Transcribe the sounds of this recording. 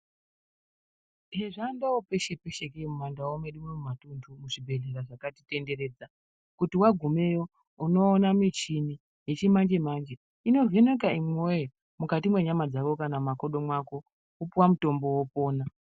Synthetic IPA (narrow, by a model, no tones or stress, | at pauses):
ɦeʐaːndawope̞ʃe̞pe̞ʃekemumandawomeɗumemumatuntʰumuʐibʱe̞ɮe̞ɾaʐakatite̞nde̞ɾe̞ːd͡za | kutiwaɡʱume̞jo | uno̞ːnamit͡ʃini | je̞t͡ʃimand͡ʒe̞mand͡ʒe̞ | ino̞venek̬aimoje | mukatimwe̞ɲamad͡zakokanamakoɗo̞mwako̞ | upuwamuto̞mbo̞wopo̞ːna